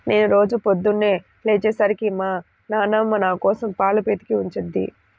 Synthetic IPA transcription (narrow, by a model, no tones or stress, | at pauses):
ne̞ːnuɾo̞ːd͡ʒupod̪ːunːeː | leːt͡ʃɛːsaːɾikimaː | naːnɐmːɐnaːkɔːsɐmpaːlupeːt̪i̥kiuɲt͡ʃed̪ːḭ